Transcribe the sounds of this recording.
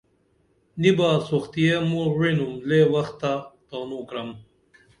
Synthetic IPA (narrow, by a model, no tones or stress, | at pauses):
nibaːsoxt̪ijemuɻinumleːwɐxt̪ːat̪aːnuːkɾɐm